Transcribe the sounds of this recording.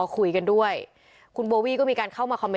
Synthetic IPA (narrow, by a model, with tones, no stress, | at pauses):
ɔː˧kʰu˧˩jka˧ndu˥˩əj | kʰu˧nboː˧wiː˥˩kɔː˥˩miː˧kaː˧nkʰa˥˩wmaː˧kʰɔ˧me˧